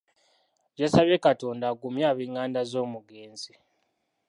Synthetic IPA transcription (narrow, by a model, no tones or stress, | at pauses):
ɟasaβekato̞ːndaɡumjaːβiŋːaːndazo̞ːmuɡeːnzi